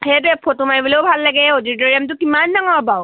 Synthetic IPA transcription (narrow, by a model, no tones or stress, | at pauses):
hɛtɛpʰːotumajbuleʊbʱalːaɡɛodit̬ɔɹiamt̬ʊkimandaŋɔɹpaw